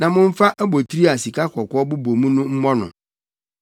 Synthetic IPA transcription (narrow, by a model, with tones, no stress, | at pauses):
nã˨mʊ̃˦m̩˦fa˦ʔæ˦bo˨t̪ʰi˦ɾi˦a˨si˨ka˦kʰʷɔ˨kɔ˦bʊ˦bo˨mũ˦nʊ̃˦m̩˦mɔ˦nʊ̰̃˨